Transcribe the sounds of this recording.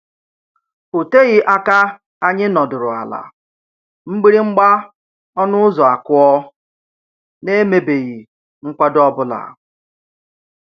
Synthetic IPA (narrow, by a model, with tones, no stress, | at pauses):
o˨te˦ɣɪ˦ʔa˦ka˦ | a˦ɲɪ˦nɔ˨dʊ˨ɾʊ˨a̰˨la̰˨ | ŋ͡m̩˦ɡ͡bi˦ɾi˦ŋ͡m̩˦ɡ͡ba˦ | ɔ˦nʊ˦ʊ˦zɔ˨a˨kʊ˦ɔ˦ | ne˦me˦be˨ɣi˨ | ŋ͡m̩˦kʷa˦dɔ˦bʊ˦la̰˨